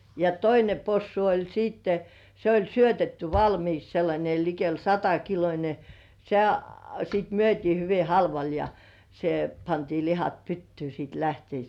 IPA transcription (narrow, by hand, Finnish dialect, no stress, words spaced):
jɑ toine posːu olʲ siːtːe se olʲ syøtetːy ʋɑlmiːks selːɑnʲe likel sɑtɑkilonʲe se siˑt myøtʲiː hyʋi hɑlʋɑl jɑ se pɑntiː lihɑt pytːyː siˑt læhteis